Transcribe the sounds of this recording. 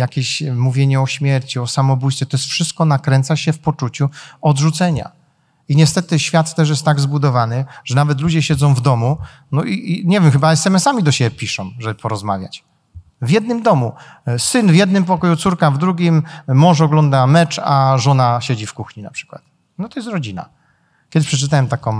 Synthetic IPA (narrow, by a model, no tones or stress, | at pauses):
jakʲeɕmuvʲjeɲɛɔɕmʲjɛɾt͡ɕiɔsamɔbujst̪fʲjɛt̪ɔjɛst̪fʂɘst̪̚kɔnakɾɛnt̪saɕɛfpɔt͡ʂut͡ɕuɔd̪ʐut̪sɛɲa̰ | iɲɛst̪ɛt̪ɘɕfʲjat̪ːɛʂ̬jɛst̪ːaɡzbud̪ɔvanɘʐ̥ɛnavɛt̪̬lud͡ʑɛɕɛd̪zɔ̃w̃vd̪ɔmu | nɔʔiɲɛvʲjɛmxɘbaɛsɛmɛsamʲid̪ɔɕɛbʲɛpʲiʂɔ̃w̃ʐɛbɘpɔɾɔzma̰vʲja̰t͡ɕ | vʲjɛd̪̚nɘmd̪ɔmusɘnvʲjɛd̪̚nɘmp̬ɔkɔjut̪suɾkavd̪ɾuɡʲimmɔ̃ʂ̬ɔɡlɔnd̪amɛt͡ʂaʐɔnaɕed͡ʑifkuxɲina̰pʂɘ̥kwa̰t̪̚ | nɔt̪ɔjɛst̪ɾɔd͡ʑina̰ | kʲɛd̪ɘɕpʂɛt͡ʂɘt̪awɛmt̪akɔ̃w̃